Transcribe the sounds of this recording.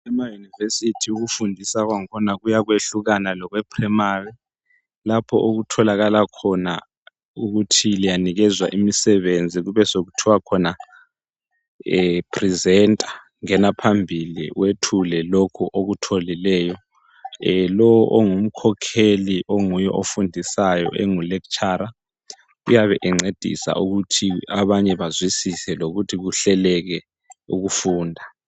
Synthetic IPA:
ɛmajunivesitʰiuɣufundʱisaɣwaŋkʰɔnaɣujaɣweɬuɣanalɔɣwɛpʰrɛmari | lapʰɔʔoɣutʰɔlaɣalakʰɔna | uɣutʰilijaniɣɛzwaʔimisɛβend͡zʱiɣuβɛsoɣutʰiwakʰɔna | pʰrizɛntʼḁ | ŋɛnapʰambʱilḭwetʰulɛlokʰuʔoɣutʰolilɛːjɔ | lɔwɔʔoŋum̩kʰɔkʰeliʔoŋujɛʔofundʱisajɔ̰ʔɛŋulɛkt͡ʃʼaːɾa | ujaβɛʔɛŋ͡ǀed̥ʱḭsa̰ʔuɣutʰiaβaɲɛβazwisisɛloɣutʰiɣuɬɛlɛɣɛ | uɣufuːndʱa

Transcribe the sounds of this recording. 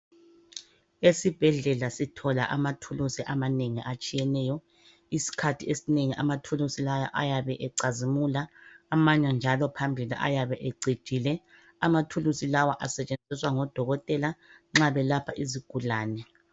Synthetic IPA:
esib̥ʱɛɮɛlasitʰɔla̰ʔamatʰulusiʔamaneŋḭʔat͡ʃʼijɛnɛːjɔ | isi̥kʰatʰiesineŋiʔa̰matʰulusilaja̰ʔajaβɛʔɛǀazimulaːmaɲand͡ʒʱalɔpʰambʱilḭʔa̰jaβɛʔeɡ͡ǀʱi̥ʒ̥ʱilɛ | amatʰulusilawaʔasɛt͡ʃʼend͡zʱiswaŋɔd̥ʱɔɣɔtʼɛlaŋ͡ǁaβɛlapʰaʔiziɡ̥ʱulaːnɛ

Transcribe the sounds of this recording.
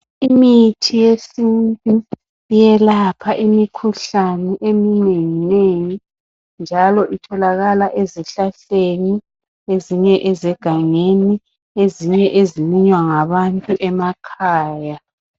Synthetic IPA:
imitʰijesintʼu | jɛlapʰaʔimikʰuɬanɛʔemineŋineŋi | nd͡ʒʱalɔʔitʰɔlaɣalaʔeziɬaɬeni | eziɲɛʔɛzɛɡ̥ʱaŋeni | eziɲɛʔeziliɲwaŋaβantʼuʔɛmakʰaːja

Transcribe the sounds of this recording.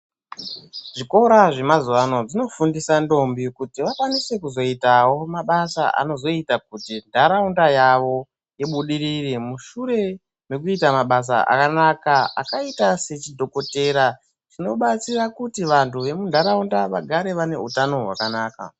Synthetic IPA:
ʐiko̞ɾaʐe̞mazuʋano̞ʐino̞fundisando̞mbikutiʋakwanise̞kuzo̞itawo̞maɓasa̰ʔa̰no̞zo̞itakutindʱaɾaundajaʋo̞ | jeɓuɗiɾirimuʃuɾe̞ | me̞kuitamaɓas̬a̰ʔa̰kanakaa̰kaitase̞t͡ʃidʱo̞ko̞te̞ɾa | ʐino̞ɓat͡sirakutiʋantʰuʋe̞mundʱaɾaundaʋaɡʱaɾe̞ʋane̞̰utano̞ɦwa̰kanaːka̰

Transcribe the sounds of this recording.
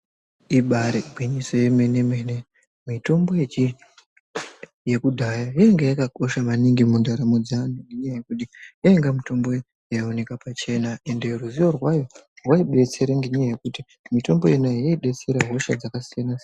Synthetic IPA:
iɓaɾeɡʱwiɲiso̞jeme̞nemene̞ | mito̞mbo̞jet͡ʃi | je̞kudʱajajoeŋɡejakako̞ʃamaniŋɡimundaɾamud͡zaniŋɡeɲaajekuɗijaeŋɡamito̞mbo̞ | jaone̞kapat͡ʃe̞nae̞nde̞ruziʋorwajo̞rwaiɓe̞t͡se̞ɾaŋɡeɲajaje̞kuti | mito̞mbo̞jenajaiɓe̞t͡se̞ɾaɦo̞ʃad͡zakasijana

